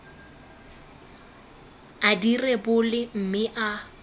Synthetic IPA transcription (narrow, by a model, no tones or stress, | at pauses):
adirɛbʊlɪm̩mɪʔa